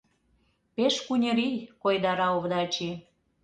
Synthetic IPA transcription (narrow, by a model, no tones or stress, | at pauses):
peʃkunʲə̆ɾijkojd̪ɑɾɑoβd̪ɑt͡ɕi